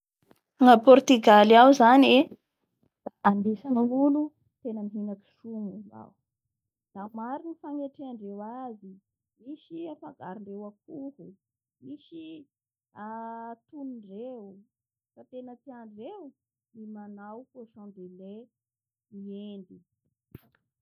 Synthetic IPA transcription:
aŋəpɔɾt̪yɡalawzane | d̪̥aʔand̪isaniŋulu | t̪enəmiɦinaki̥ʃumiza̰w | d̪̥amaɾinifaŋeʈ͡ʂiaɳɖ͡ʐewazi | miʃiafaɡaɾiɳɖ͡ʐewakuhu | miʃi | at̪uniɳɖ͡ʐew | fat̪enət͡siaɳɖ͡ʐew | nimanawfoʃɔ̃nd̪ele | iend̪i

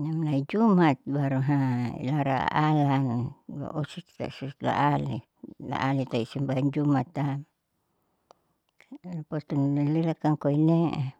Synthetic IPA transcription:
namnaid͡ʒumat̪̚baɾuɦaḭlaɾaa̰ʔalanba̰ʔɔsit̪t̪a̰sut̪la̰ʔali | la̰ʔalit̪aisimbaand͡ʒumat̪a | lapɔt̪unlalilakaŋkoinea

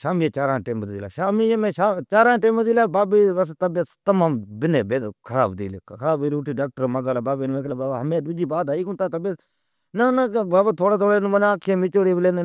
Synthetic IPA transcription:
ʃaːmiːet͡ʃaːɾãːʈeːmd̪iːla̰ːʃaːmiemẽːʃaːt͡ʃaːɾaːʈeːmd̪iːlaːbaːbiːbəs̬t̪əbet̪əmaːmbɪneːbekʰəɾaːbd̪ḭːlekʰəɾaːbiːɾoːʈiːɖaːk̚ʈəɾməɡaːlabaːbiːnmeːklabaːbaɦəmẽːd̪ʊd͡ʒiːbaːd̪aːiːkʊnt̪aːt̪əbe | nənbaːbat̪ʰoːɽaːt̪ʰoːɽeːnmənaːkʰːeːmɪt͡ʃoːɽiːbleːn

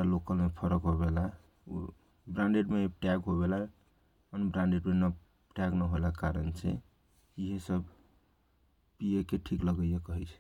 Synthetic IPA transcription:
alokəlmepʰəɾəkɦobela | o̰ | bɾãɳɖeɖmepʈaɡɦoβela | ənbɾãɳɖeɖmenə | pʈaɡnəɦolakaɾənt͡ʃʰɛ̰ | iɦesəb | piekeʈʰikləɡəjekəɦɛt͡ʃʰɛ̥

